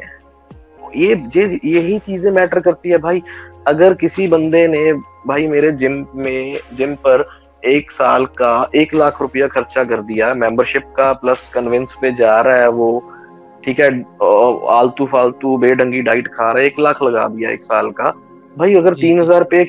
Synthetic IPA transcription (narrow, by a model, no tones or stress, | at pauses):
jeːjeːjeɦit͡ʃiːzẽmɛːʈəɾkɐɾt̪iɦɛːbʱaːiːɐɡəɾkɪsibə̃nd̪ene | bʱaːimeːɾed͡ʒɪmmẽd͡ʒɪmpəɾ | eːksaːlkaeːklaːkʰɾʊpɪjakʰəɾt͡ʃakəɾd̪ɪjamɛ̃ːmbəɾʃɪp̚kapləskənʋɪnsped͡ʒaːɾaɦɛʋoː | ʈʰiːkɦɛː | a̰ːlt̪uːfʰaːlt̪ubeːɖə̃ŋɡiɖaːɪʈkʰaːɾaɦɛeːklakʰlɐɡa̰ːd̪ɪja̰ḛːksaːlkaː | bʱaːiəɡəɾt̪iːnɦəzaːɾpe